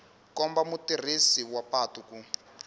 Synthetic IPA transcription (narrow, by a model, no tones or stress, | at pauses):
kɔmbamutir̤isiwapaːtuku